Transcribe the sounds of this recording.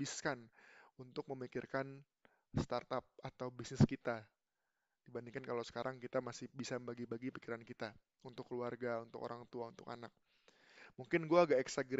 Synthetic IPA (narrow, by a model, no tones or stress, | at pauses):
iskanunt̪ʊk̚məmikɪrkan | st̪art̪ap̚at̪awbisnɪskit̪a | d̥ibandiŋkankalawsə̥kaɾʔaŋkit̪amasɪhbisambaɡibaɡipikiɾankit̪a | unt̪ʊkːəluarɡaunt̪ʊko̰ɾaŋt̪uaunt̪ʊka̰nak̚ | muŋkɪnɡuaːɡaɛksaɡɾ